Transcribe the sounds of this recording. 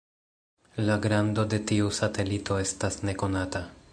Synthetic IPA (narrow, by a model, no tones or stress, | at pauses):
laɡɾando̞de̞tiusate̞litʰo̞e̞stasne̞ko̞nata